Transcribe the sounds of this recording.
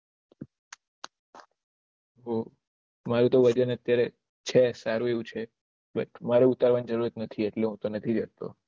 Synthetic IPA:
ɦo | maɾũt̪oʋəd͡ʒənət̪jaɾe | t͡ʃʰesaɾũeʋũt͡ʃʰe | bə̰ʈʰmaɾeut̪aɾʋand͡ʒəɾuɾət̪nət̪ʰieʈleɦũt̪onət̪ʰid͡ʒəɾt̪o̰

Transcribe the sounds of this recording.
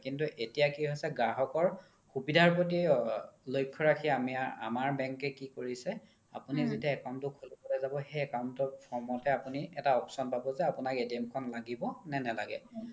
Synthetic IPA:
kintuʔetijakiɦojsɛɡɹaɦɔkɔɹ | xubidʱaɹpɹot̬ilojkʰːɔɹakʰiamia̰maɹbɛŋkɛkikoɹisɛ | a̰punizitiaɛkawntʊkʰulipɔlɛzabɔxɛɛkawntɔpʰɔɹmɔtɛapuniɛtaɔpsɔnpabɔzɛapunaketiamkʰɔnlaɡibɔnɛnɛla̰ɡɛ̰

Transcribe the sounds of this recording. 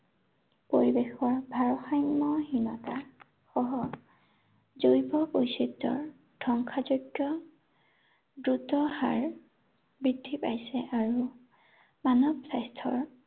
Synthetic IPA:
poɹibexɔɹbʱaɹɔxajnmɔɦinɔta | xɔɦɔ | zojpɔpojsitːɔ̰ɹ | d̥ʱɔŋkʰazoɡjɔ | dɹutɔha̰ɹ | bɹidʱːipa̰jsɛʔaɹu | manɔbsajstʰɔ̰ɹ

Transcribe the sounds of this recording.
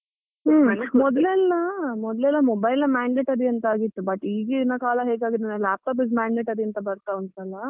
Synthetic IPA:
mɔd̪ɐlɛlːɐmɔd̪ɐlɛlːɐmɔbɐjlːɐmaːɳɖeːʈɐɾiɐnt̪ɐaːɡit̪ːubɐʈːiːɡeinːɐkaːlɐɦeːɡaːɡid̪enɐlaːp̚ʈaːp̬ismaːɳɖeːʈɐɾiɐnt̪ɐbɐɾt̪aːɐnt̪ɐlːɐ

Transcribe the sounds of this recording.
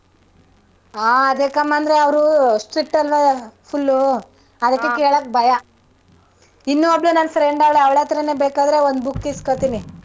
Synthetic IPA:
aːɐd̪ekɐmaːnd̪ɐɾeɐʋɾusʈɾiʈːɐlʋapʰulːu | ɐd̪ɐkːe̞keːɭoːk̚bʱɐja | inːuɔbɭunaːnfɾeɳɖɐʋɭeɐʋɭet̪ɐɾɐneːbeːkaːd̪ɾeond̪bukːiskoɭt̪ini

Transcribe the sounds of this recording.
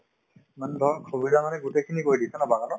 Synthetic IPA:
mandʱɔkʰobidamanɛɡutekʰinikojditɛnabakanɔ

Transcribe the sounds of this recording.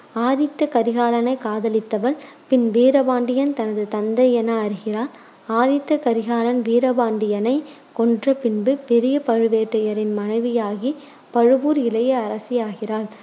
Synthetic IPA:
aːðɪt̪ːɐkɐɾɪɣaːlɐnɐɪkaːðɐlɪt̪ːɐʋɐl | pɪnʋiːɾɐbaːɳɖɪjɐnt̪ɐnɐðɯt̪ɐnd̪ɐɪɛnɐːɐɾɯɣɪraːl | aːðɪt̪ːɐkɐɾɪɣaːlɐnʋiːɾɐbaːɳɖɪjɐnɐɪ | kɔndrɐpɪnbɯpɛɾɪjɐpɐɻɯʋeːʈːɐjɐɾɪnmɐnɐɪʋɪjaːɣi | pɐɻɯʋuːɾɪlɐjɐɐɾɐsɪjaːɣɪraːl

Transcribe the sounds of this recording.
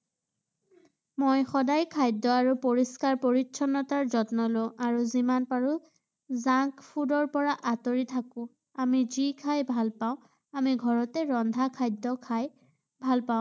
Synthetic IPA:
mojxɔdajkʰajdɔaɹupoɹiskaɹpoɹitʃʰɔnːɔtaɹzɔtnɔloʔaɹuzimanpaɹu | zakpʰudɔɹpɔɹaʔatoɹitʰakʊ̃ | amizikʰajbʱalpaʊ̃ | amiɡʱɔɹɔtɛɹɔndʱakʰajdɔkʰaj | bʱalpaʊ̃

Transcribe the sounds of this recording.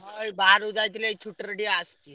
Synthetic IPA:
əibaaɾud͡z̪at̪iːljait͡ʃʰuʈəɾɽiast̪i

